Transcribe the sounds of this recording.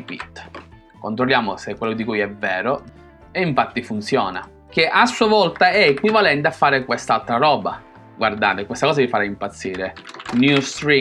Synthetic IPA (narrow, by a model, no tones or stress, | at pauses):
ipḭt̪ː | kont̪ɾolːjaːmosekːwelːod̪ikujɛvːɛːɾo | eiɱfat̪ːifunt̪sjɔːna̰ | k̟eʔasːuavɔlt̪aɛekwivalɛnt̪eafːaːɾekwest̪alt̪ɾaɾɔːba̰ | ɡward̪aːt̪ekwest̪akɔːzavifaɾaimpat̪sːiːɾenjust̪ɾi